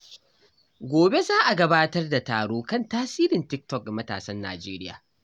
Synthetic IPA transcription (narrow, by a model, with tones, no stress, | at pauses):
ɡʷoː˨be˦zaː˦ʔa˨ɡɐ˦baː˦tɐ˦rda˨ta̰ː˨ɽoː˦kɐ˦˨ntaː˦siː˦ɾɪ˨ntɪ˦k̚tɔ˦˨k̚a˨mɐ˦ta̰ː˨sɐ˦nːa̰ː˨d͡ʒeː˦ɾɪ˦ja̰ː˨